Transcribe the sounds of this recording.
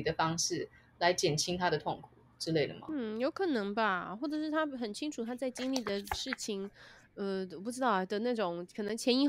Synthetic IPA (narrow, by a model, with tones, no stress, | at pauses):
d̪ə˦fɑ˥ŋʂɻ̩˥˩ | la˧˦ɪt͡ɕjɛ˨˩nt͡ɕʰi˥ŋt̪ʰa˥ɾə˨t̪ʰʊ˥˩ŋkʰu˨˩ʈ͡ʂɻ̩˥le˥˩ɪd̪ə̰˩mɐ̰˩n̩˥˩jo˧˥ʊkʰɤ˨˩nɤ˧˥ŋba˧xwɔ˥˩ʈ͡ʂɤ˨˩ʂɻ̩˥˩t̪ʰa˥xə˨˩nt͡ɕʰi˥ŋʈ͡ʂʰu˨˩t̪ʰa˥t͡sa˥˩ɪt͡ɕi˥ŋli˥˩d̪ə˩ʂɻ̩˥˩t͡ɕʰi˨˩ŋ | ə˧wɔ˨˩p̬u˥˩ʈ͡ʂɻ̩˥t̪ɑ˥˩ʊ˥˩d̪ə˨na˥˩ʈ͡ʂʊ˨˩ŋkʰɤ˨˩nɤ˧˥ŋt͡ɕʰjɛ˧˥ni˧˥